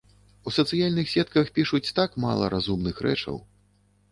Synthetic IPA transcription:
usɐt̪sɨjalʲnɨxsʲɛt̪̚kɐxpʲiʂut͡sʲt̪akma̰lˠɐ̰ɾazumnɨxɾɛ̰t͡ʂɐ̰w

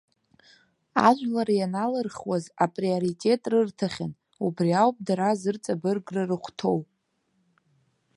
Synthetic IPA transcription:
a̰ʒʷlaɾajanalɨrχwazapʼrioɾitʼe̞tʼrɨrtʰaχʲan | ubriawpʼdaɾazɨrt͡sʼabɨrɡrɨrɨχʷtʰo̞wpʼ

